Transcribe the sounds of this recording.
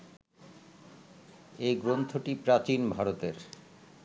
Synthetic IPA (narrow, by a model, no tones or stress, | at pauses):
eɡɾont̪ʰoʈipɾat͡ɕinbʱaɾot̪eɾ